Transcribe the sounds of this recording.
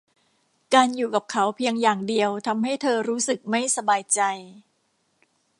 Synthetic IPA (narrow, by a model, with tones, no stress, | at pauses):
kaː˧njuː˨˩ka˨˩p̚kʰa˦˥wpʰi˧əŋjaː˨˩ŋdi˧əwt̪ʰa˧mɦa˥˩jt̪ʰɤː˧ɾuː˦˥sɯ˨˩k̚ma˥˩jsa˧baː˧jt͡ɕa˧j